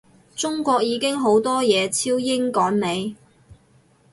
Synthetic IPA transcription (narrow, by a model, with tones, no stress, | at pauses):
t͡sʊ˥ŋkʷɔː˧k̚jiː˨˧kɪ˥ŋɦo˨˥wt̪ɔː˥jɛː˨˧t͡sʰiː˥wjɪ˥ŋkɔː˨˥ŋne˨˧j